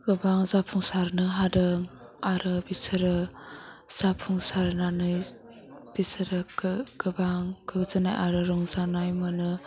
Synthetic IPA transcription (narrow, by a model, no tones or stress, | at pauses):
ɡ̥ɯbaŋzapʰuŋsaɾnɯɦadɯŋ | aɾɯbisɯɾɯ | z̥apʰuŋsaɾnanɯj | b̥isɯɾɯɡɯbaŋɡɯɡɯzɯna̰jʔa̰ɾɯɾɔŋzanajmɯnɯ